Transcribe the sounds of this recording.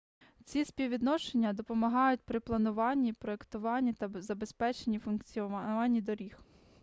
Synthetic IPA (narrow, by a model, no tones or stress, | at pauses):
t͡sʲisʲpʲiwʋʲid̪nɔʃenʲːɐd̪ɔpɔmɐɦɑjʊt̚ʲpɾɪplˠɐnʊʋɑnʲːipɾɔekt̪ʊʋɑnʲːit̪ɐzɐbe̞spɛt͡ʃenʲːifʊnkt͡sʲiɑnʲːid̪ɔɾʲix